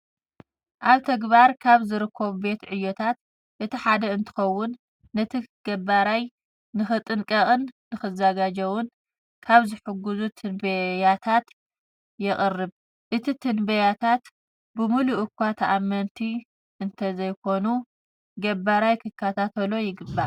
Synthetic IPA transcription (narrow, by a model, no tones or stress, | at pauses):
ʔaβt̪ʰɐɡbaɾkʰaβzɨɾɨkʰːɐβube̞t̪ʕɨjːot̪ʰat̪ | ʔɨt̪ʰiħad̪ɐɨnt̪ʰɨ̥xɐwːʊnː | ɐt̪ʰiɡ̥ɐbaɾaj | nɨxɨt̪ʼɨnkʼɐχʼɨnːɨxɨzɐɡad͡ʒɐwʊn | kʰaβzɨħɨɡuzut̪ʰɨnbɐjat̪ʰat̪ | jɛχʼɨrːɨβ | ʔɨt̪ʰit̪ʰɨnbɐjat̪ʰat̪ | bɨmuluʔɨkʰːʷat̪ʰɐʔamːɐnt̪ʰi | ʔɨnt̪ʰɐzɐjkʰo̞nu | ɡɐbaɾajkʰɨkʰːɐt̪ʰat̪ʰɐlo̞jɪɡɨbːa